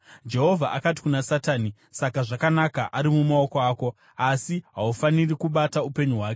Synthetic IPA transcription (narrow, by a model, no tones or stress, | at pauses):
d͡ʒe̞ɦo̞vʱaʔakati̥kunasataːni | sakaʐakanakaʔaɾimumao̞ko̞aːko̞ | asiɦaufanirikuɓataupe̞ɲuɦwaːke